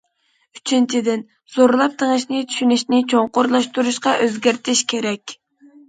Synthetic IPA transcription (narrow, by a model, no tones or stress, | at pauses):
yt͡ʃʰint͡ʃʰid̪ɪn | z̥oɾlˠɑp̚t̪ʰeŋɨʃnɪt͡ʃ̪ʰy̥ʃynyʃnɪt͡ʃʰoŋqoɾlˠɑʃt̪uɾuʃqɑʔøzɡʲæɾt̪ʰɪʃkʲʰeɾɛkʲ